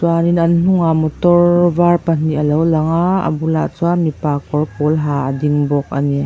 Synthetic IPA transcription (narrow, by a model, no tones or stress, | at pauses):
zwaninann̥uŋamɔtɔɾvaɹpan̥iɐlɔwlaŋaɐ̰bula̰t͡suamipakɔɹkɔlɦaɐdiŋbɔk̚a̰ni